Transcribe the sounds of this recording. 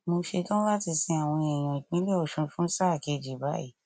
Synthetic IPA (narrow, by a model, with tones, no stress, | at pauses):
mo˧ʃe˧tɔ̃˦la˦ti˧sĩ˧a˨w̃ɔ̃˧ɛ˨j̃ã˨nĩ˨˦lɛ˦ɔ˦˨ʃũ˧fũ˦sa˦˨ke˧d͡ʒi˨ba˦ḭ˦˨